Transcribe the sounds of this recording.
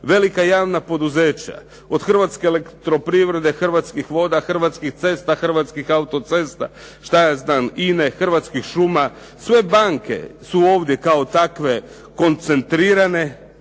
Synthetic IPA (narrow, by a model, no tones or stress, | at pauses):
ʋe̞likajaːʋnapo̞d̪uze̞ːt͡ɕa̰ | o̞d̪xr̩ʋat̪ske̞ːlekt̪ɾo̞pɾiʋɾe̞d̪e̞xrʋat̪skixʋo̞d̪axrʋat̪skixt̪se̞st̪axr̩ʋat̪skixaut̪o̞t̪se̞st̪a̰ | ʃt̪ajaːznaːnine̞xr̩ʋat̪skixʃuma | sʋe̞baŋke̞̰suo̞ːʋd̪je̞kao̞t̪akʋe̞ | ko̞nt̪se̞nt̪ɾiːɾane̞